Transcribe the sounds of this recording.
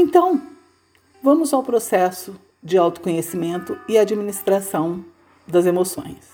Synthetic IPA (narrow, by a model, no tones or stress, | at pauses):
ẽnt̪ɐ̃w̃ | vɐ̃mʊzawpɾosɛsʊ | d͡ʒɪawt̪ʊ̥kõɲesimẽnt̪ʊɪaːd͡ʒiminist̪ɾasɐ̃w̃ | d̪ɐzemosõ̰j̃s